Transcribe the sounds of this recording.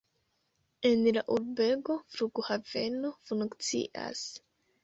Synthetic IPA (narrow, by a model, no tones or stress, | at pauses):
enlaʔuɾbeɡofɾuɡuhavenofunukt͡sḭʔa̰s